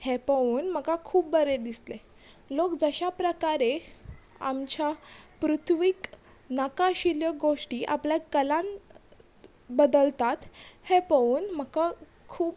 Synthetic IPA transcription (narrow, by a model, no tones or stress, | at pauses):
hepəuːnm̤əkakʰuːpbəɾed̪isle | lokd͡zəɕapɾəkaɾe | a̰mt͡ɕapɾut̪ʰʋik | nakaɕiljəɡoʂʈiːʔa̰pljakəlãn | bəd̪əlt̪at̪hepəuːnm̤əka | kʰuːp